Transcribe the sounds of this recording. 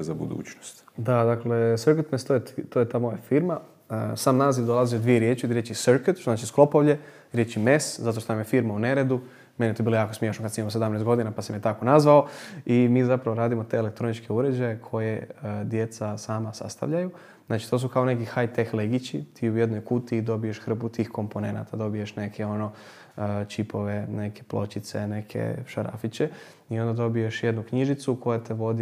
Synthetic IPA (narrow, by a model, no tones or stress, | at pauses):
zabṵd̪ṵːt͡ʃnost̪d̪ad̪aklesəɾket̪mest̪ojet̪t̪ojet̪aːmojafiːɾma | əsaːmnaːziʋd̪o̞lˠaziod̪ʋijeɾjeːt͡ʃjud̪ɾjet͡ʃisəɾket̪ʃt̪oznaːt͡ʃisklˠo̞po̞ʋʎe | ɾjet͡ɕimeszat̪oʃt̪onamjefiɾmauneɾed̪u | menijet̪obilojaːkosmjeʃnokad̪samimos̬ed̪amnest̪ɡo̞d̪inapasamijet̪ako̞nazʋaoimiːzapɾaʋo̞ɾaːd̪imo̞t̪eelek̚t̪ɾo̞nit͡ʃkeuɾe̞d͡ʒajekʰo̞je̞d̪je̞t̪sasaːmasa̰st̪a̰ʋʎaju | znaːt͡ʃi̥t̪os̬ukaonekixajt̪exleɡit͡ɕit̪iːujed̪no̞jkut̪iːd̪o̞bijeʃxɾ̩put̪iːxko̞mpo̞ne̞na̰t̪ʰad̪o̞bijeʃne̞kʰeo̞no̞ | t͡ɕipʰo̞ʋe̞ne̞kʰeplˠo̞t͡ɕit̪sḛne̞kʰḛʃaɾa̰fit͡ɕe̞ | iond̪ad̪o̞bijeʃjed̪nukɲiʒit̪suko̞jat̪e̞ʋo̞d̪i